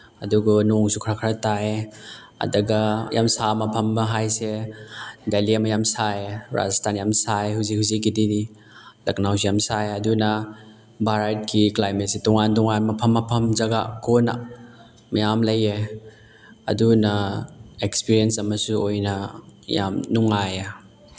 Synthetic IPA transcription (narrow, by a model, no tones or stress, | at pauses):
ɐduɡanoŋsukʰɾakʰɾɐtae | ɐ̰dɐɡɐja̰msamɐpʰɐmbɐɦajse | daliɐmɐjamsaeɾa̰zastʰanjamsaeɦhuzikhuzikːididi | lɐknaws̬ijamsaeɐdunɐ | baɾajt̚kʰiklajmet̚sitɔŋantɔŋanmɐpʰɐmːɐpʰɐmzɐɡakona̰ | mɐjamlɐje | ɐ̰dunɐekspiɾiensɐmɐsuojnɐja̰mnuŋaje